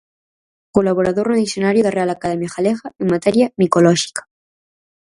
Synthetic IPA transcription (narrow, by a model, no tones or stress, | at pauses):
kolaβoɾaðoɾnoðisjonaɾjoðarealakaðemjaxaleɣaeŋmat̪eɾjamikolɔʃi̥kḁ